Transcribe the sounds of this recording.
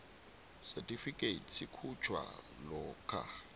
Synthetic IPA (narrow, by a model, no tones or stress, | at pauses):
sɛtʼifikʼetsikʰut͡ʃʰwa̰ | lɔːkʰa̰